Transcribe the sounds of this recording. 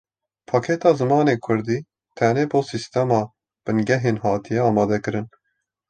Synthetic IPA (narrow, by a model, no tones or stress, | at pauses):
pʰɑːkʰɛt̪ɑːzɨmɑːneːkʰʊɾd̪iː | t̪ʰɛneːboːsist̪ɛmɑː | b̥ɨnɡɛɦeːnɦɑːt̪ʰijɛɑːmɑːd̪ɛkɨɾɨn